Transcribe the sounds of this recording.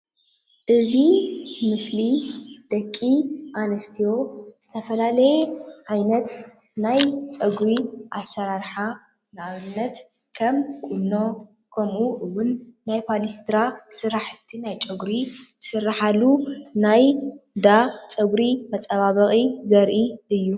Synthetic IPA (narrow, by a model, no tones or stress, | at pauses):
ʔɨzimɨslid̪̥ɐkʼːiʔanɐst̪ʰijo̞z̥ɨt̪ʰɐfɐlalɐjeʕajnɐt̪ | najt͡ʃʼɐɡɾiʔasɐɾaɾħa | nɨʔaβɨnːɐt̪ | kʰɐmkʼunːo | kʰɐmuʔɨwʊnːajpʰalist̪ʰɾasɨɾaħt̪ʰinajt͡ʃʼɐɡɾisɨrːaħalunajd̪at͡ʃʼɐɡɾimɐt͡sʼɐβaβɐχʼizɐɾʔiɨjːu